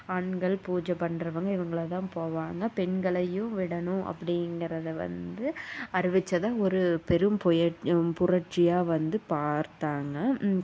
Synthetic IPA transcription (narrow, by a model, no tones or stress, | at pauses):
aːɳɡɐɭpuːd͡ʒɐpɐɳɾɐʋɐŋɡɐɪʋɐŋɡɐɭɐt̪ãːpoːʋaːŋɡɐpɛɳɡɐɭɐjɯ̃ʋɪɽɐnʊ̃ʔɐ̰pːɐɽɪŋɡɪɾɐðɐʋɐ̰nd̪ɯɐɾɯʋɪt͡ʃːɐðãːɔɾɯpɛɾɯmpɔjɐpʊrɐʈt͡ʃːɪjaːʋɐnd̪ɯpaːɾt̪aːŋɡɐ